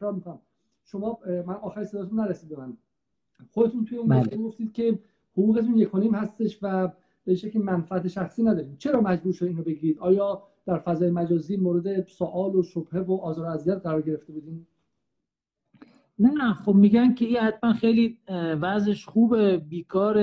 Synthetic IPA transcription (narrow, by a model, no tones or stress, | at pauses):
ekʰɾɒːɾmikʰonæm | ʃomɒːmænɒːxæɾiseɒːt̪ʰunæɾesid̪be̞mæn | xod̪e̞t̪ʰunt̪ʰujeiːnæeɡoft̪iːd̪̥̚cʰe̞ | hoʁuːɣe̞t̪ʰunje̞kʰonimhæst̪e̞ʃvæ | b̥eʃæcʰlimænfææt̪ʰeʃæxsiːnæd̪ɒːɾiːdt͡ʃʰe̞ɾɒːmæd͡ʒbuːɾʃod̪iːnobe̞ɡiːɾiːd̪ɒːjɒː | d̪̥æɾfæzɒːjemæd͡ʒɒːziːmoːɾe̞d̪e̞soʔɒːloʃob̥he̞voʔɒːzɒːɾoæzijæt̪̚ɢæɾɒːɾɟe̞ɾeft̪e̞buːd̪iːn | næxobmiɟæncʰeinhæt̪mænxejliːvæzeʃxuːbebiːkʰɒːɾe